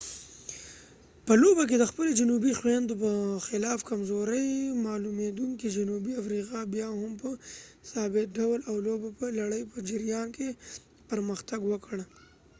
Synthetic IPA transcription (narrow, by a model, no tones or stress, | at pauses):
pəlobak̬ed̪əxpəlod͡ʒʊnubixwend̪opəxɪlɑːfkamzoɾəjmɑlumed̪uŋkid͡ʒʊnubiafɾiqɑbjɑhʊmpəsɑbɪt̪̚ɖawlawlobapəlaɽəjpəd͡ʒɪɾjɑnke | pəɾməxt̪aɡwəkɽ